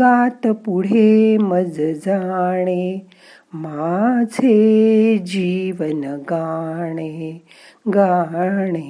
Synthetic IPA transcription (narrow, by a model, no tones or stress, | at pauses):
aːt̪ɐpuɽ̤eːmɐd͡zd͡zaːɳ̃e | maːt͡sʰeːd͡ʒiːʋɐnɡaːɽ̃e | ɡaːɳ̃eː